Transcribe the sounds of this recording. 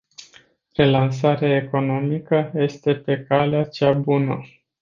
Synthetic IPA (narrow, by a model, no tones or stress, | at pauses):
re̞lans̬aɾeae̞ko̞no̞mikəje̞st̪e̞pe̞kaleat͡ʃabunə̰